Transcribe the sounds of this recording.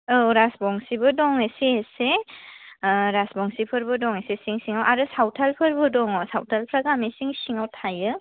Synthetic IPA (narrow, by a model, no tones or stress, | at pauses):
ɯɾasbɔŋsibɯdɔŋesiese | ɾasbɔŋsipʰɯɾbɯdɔŋesesiŋsiŋawʔaɾɯsawtʰalpʰɯɾbɯdɔŋɔsawtʰalpʰɾaɡamisiŋsiŋawtʰajɯ